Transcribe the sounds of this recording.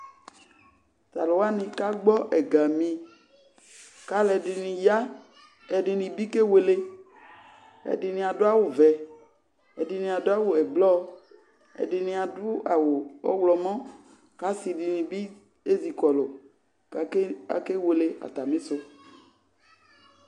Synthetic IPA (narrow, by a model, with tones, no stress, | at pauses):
t̪a˨lo˨wa˦nĩ˨ka˦ɡ͡bɔ˦ʔɛ˨ɡa˨mĩ˨ | ka˦lɛ˨dɪ˨nĩ˨ja˦ | ɛ˨ɖɪ˨nĩ˨bi˦ke˦we˨le˦ | ɛ̰˨di˨nĩ˨a˨dʊ˦a˦˨wʊ˨vɛ˨ | ɛ̰˨di˨nĩ˨a˨dʊ˦a˦wo˨ɛ˨blɔ˦ | ɛ̰˨dɪ˨nĩ˨a˨dʊ˦a˨wʊ˨ɔ̰˦wlɔ˨mɔ̃˦ | ka˦si˨di˨nĩ˨bi˦ | e˦zi˨kɔ˨lo˨˦ | a̰˨ke˦we˨le˦ʔa̰˨t̪a˨mẽ˦so˦